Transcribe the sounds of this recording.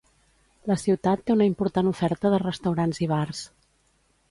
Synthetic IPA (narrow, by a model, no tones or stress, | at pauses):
ləsiwt̪at̪ːeunəimpuɾt̪anufɛɾt̪əðərəst̪əwɾanziβ̞ars